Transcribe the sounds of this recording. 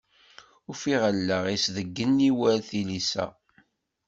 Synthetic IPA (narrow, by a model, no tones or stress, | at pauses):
ʊfiʁəlːəʁisðəɡːənːiwælθilisæ̰